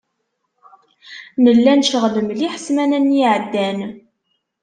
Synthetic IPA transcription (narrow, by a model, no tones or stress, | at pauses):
nəlːænʃəʁləmliħə̥smænænjiʕəd̪ːæn